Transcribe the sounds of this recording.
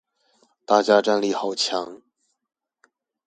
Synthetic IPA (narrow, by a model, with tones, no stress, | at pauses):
t̪a˥˩t͡ɕja˥ʈ͡ʂa˥˧nli˥˩xɑ˨˩ʊt͡ɕʰjɑ˧˥ŋ